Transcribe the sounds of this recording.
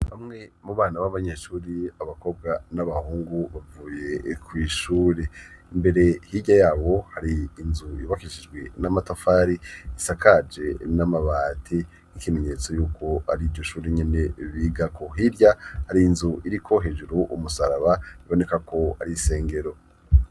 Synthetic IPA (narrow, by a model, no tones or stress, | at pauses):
βamŋe̞muβaːnaβaβaɲeːʃuːɾiaβako̞b̚ɡanaβahuːŋɡuβavuːje̞kwiːʃuːɾe | imbe̞ɾe̞hiɟajaːβo̞haɾiːnzuiβakiʃid͡ʒwenamatafaːɾiisakʰad͡ʒe̞namaβaːtʰi | nikime̞ɲe̞t͡so̞juːkʰo̞aɾiːɾɟo̞ʃuːɾiɲene̞βiːɡakʰo̞ɦiɾjahaɾiːnzuiɾikʰo̞ɦe̞ːd͡ʒuɾuʔumusaɾaβaβiβo̞ne̞kakʰo̞a̰ɾise̞ːŋɡe̞ɾo̞